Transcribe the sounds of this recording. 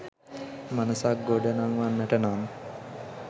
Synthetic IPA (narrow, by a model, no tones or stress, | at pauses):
manəsak̚ɡoɖenaŋʋanʋæʈənan